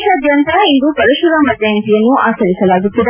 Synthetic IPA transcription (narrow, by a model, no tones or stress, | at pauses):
ʃɐːd̪ʱjɐnt̪ɐind̪upɐɾuʃuɾɐmɐd̪jaːɐnt̪ijɐnːuaːsɐɾisɐlaːɡut̪ːid̪ɐ